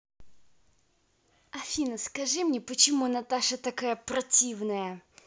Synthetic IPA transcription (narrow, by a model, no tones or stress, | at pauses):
ɐfʲinəskɐʐɨmnʲɛpət͡ɕɪmunɐt̪aʂət̪ɐkajəprɐtʲivnəjə